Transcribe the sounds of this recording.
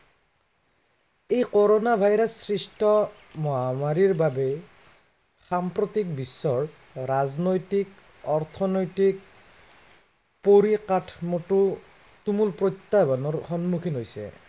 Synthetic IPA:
ejkɔɹɔnabʱajɾasːɹisʈʰɔ | mɔɦamaɹiɹbabɛ | xampɹot̪ik̚bisːɔɹː | aznojtik̚ | ɔɹt̪ʰɔnojtik̚ | poɹikatʰmɔtu | tumulpɹɔjt̪ːabanɔɹxɔnmukʰinɦojsɛ̰

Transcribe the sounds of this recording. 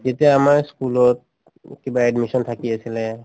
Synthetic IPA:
zetiaamaɹskulɔt̚ | ɛkibaɛdmisɔntʰakiasilɛ

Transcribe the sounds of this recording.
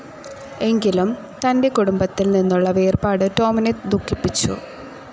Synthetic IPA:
e̞ŋɡilum | t̪ɐnde̞kuɽumbɐt̪ːilninːuɭːɐʋe̞ːrbaːɽɨto̞ːmɐned̪ʱukʰːipːit͡ɕːṵ

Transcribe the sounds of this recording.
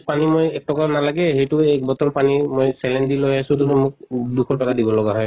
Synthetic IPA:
panimojɛk̚tɔkanalaɡɛɦejtʊɛk̚bɔtɔnpanimojsɛlɛndilojasʊ̃tunumʊkduxʰɔtɔkadibɔlɔɡaɦɔj

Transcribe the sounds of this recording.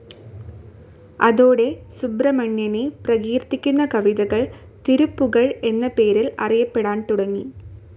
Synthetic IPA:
ɐðo̞ːɽe̞subrɐmɐɳjɐneprɐɣiːɾt̪ːikʲːunːɐkɐʋiðɐɣɐɭ | t̪iɾupːuɣɐɭe̞nːɐpe̞ːɾilɐ̰rijɐpːeɽaːnt̪uɽɐŋːḭ

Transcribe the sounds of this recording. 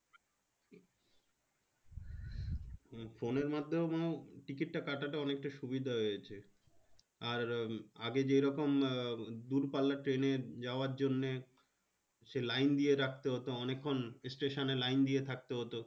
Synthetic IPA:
foneɾmad̪ʱːomawʈikiʈːakaʈaʈaɔnek̚ʈajʃubid̪ʱaɦojet͡ɕʰe | aɾaɡed͡ʑejɾɔkomd̪uɾpalːaʈɾened͡ʑaoaɾd͡ʑonːe | ʃelajnd̪ieɾak̚ʰt̪eɦot̪oɔnekʰːonsʈeʃonelajnd̪iet̪ʰak̚t̪eɦot̪o

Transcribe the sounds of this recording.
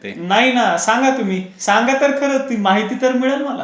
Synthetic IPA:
naɦinasãŋɡat̪um̤iː | sãŋɡat̪əɾkʰəɾət̪imaɦit̪iːt̪əɾmiɭəlməla̰

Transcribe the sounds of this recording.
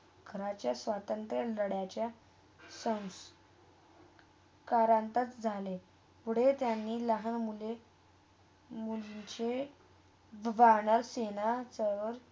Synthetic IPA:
ɡʰʱəɾat͡ɕjasʋat̪ənt̪ɾələɽjat͡ɕja | sə̃ws | kaɾãnt̪at͡sd͡zʱale | puɽ̤et̪janːiːləɦənmule | muliɲt͡ɕe | ʋaɳəɾsenat͡səʋəɾ

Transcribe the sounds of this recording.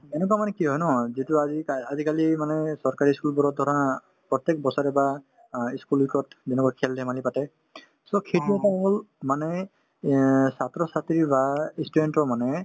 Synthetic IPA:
ɛnɛk̬wamanɛkiɦɔjnɔzituaziaazikalimanɛsɔɹkaɹiskulbɔɾɔt̚d̪ʱɔɾɔna | pɹɔt̪jek̚bɔsɔɾɛba | iskulikɔtzɛnɛkakʰɛldɛmalipatɛ | sɔkʰetiɛtaɦɔlmanɛ | sat̪ɹɔsat̪ɹibaistudentɔmanɛ

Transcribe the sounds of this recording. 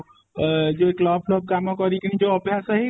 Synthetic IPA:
d͡ʒoeklɔːbʰlɔːb̚kamɔkɔɾikiñĩd͡ʒoɔbʱjasəɦi

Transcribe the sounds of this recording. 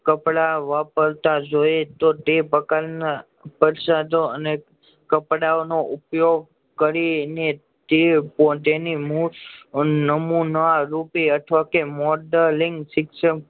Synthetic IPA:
kəpɽaʋapəɾt̪ad͡ʒojet̪ot̪epəkaɾna | pəɾsad̪ʱoəne | kəpɽaonoʔʊpjoɡ̚ | kəɾine | t̪epɔt̪enimu | nəmunaɾupiəʈʰʋakemɔɖəliŋɡsɪksəm

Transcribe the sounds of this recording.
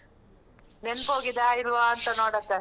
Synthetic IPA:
nenboːɡid̪aːilʋaːnt̪ɐnoːɽɐk̪ːɐ

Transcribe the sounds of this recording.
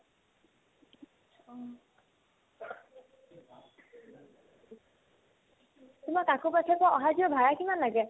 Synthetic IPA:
ɔ | tumakakopatʰɛkɔɔɦaziɔbʱaɹakimanlaɡɛ

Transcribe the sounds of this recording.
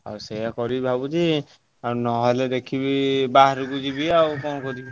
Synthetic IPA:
a̰ɾsejakɔɾibʱabud͡ʒi | aɾnɔɦɔled̪ekʰibibaɦɾɡud͡ʒibiawkɔnkɔɾib

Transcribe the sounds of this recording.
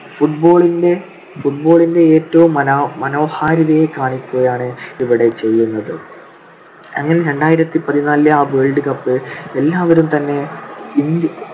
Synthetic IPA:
fuʈbo̞ːɭinde̞ | fuʈ̚bo̞ːɭinde̞eːtːɐʋumːɐnmɐno̞ːhaːɾɐðɐjekːaːɳikʲːoːjaːɳɨiʋiɽe̞t͡ɕe̞jːunːɐðɨ | ɐ̰ŋːɐne̞ɾe̞ɳɖaːjiɾɐt̪ːipɐðinaːlɨaːbeːɭɖɨkɐpːɨe̞lːaːʋɐɾumt̪ɐnːe̞ind̪

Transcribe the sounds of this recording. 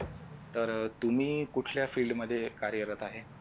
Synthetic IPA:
t̪əɾt̪um̤iːkuʈʰljafiːlɖməd̪ʱːjekaɾjəɾət̪aɦe

